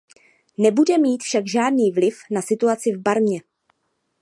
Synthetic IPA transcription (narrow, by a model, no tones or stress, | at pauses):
nɛbudɛmiːt̪fʃaɡʒaːdniːvlɪfnasɪt̪uat͡sɪvbaɾmɲɛ